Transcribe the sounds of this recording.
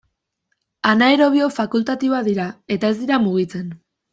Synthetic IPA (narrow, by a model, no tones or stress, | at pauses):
anaeɾo̞β̞io̞fakult̪at̪ioaðiɾae̞t̪ae̞zd̪iɾamuɣ̞it͡se̞n